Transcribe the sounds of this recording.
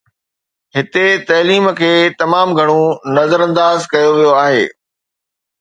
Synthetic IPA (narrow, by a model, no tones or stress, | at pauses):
ɦɪt̪et̪ɐːliːmə̆kʰeːt̪ɐmaːmɡʱɐɽ̃õnɐzəɾɐ̃nd̪aːzkɐjoʋijoaːɦḛː